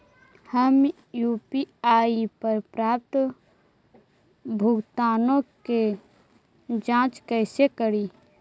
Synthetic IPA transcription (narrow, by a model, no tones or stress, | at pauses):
həm | juːpiaːipəɾpɾaːp̚t̪ | bʱʊɡt̪aːnõke | d͡ʒãːt͡ʃkəːsekəɾiː